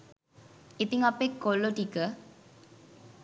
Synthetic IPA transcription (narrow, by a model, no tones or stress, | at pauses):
it̪iŋapekːoloʈikə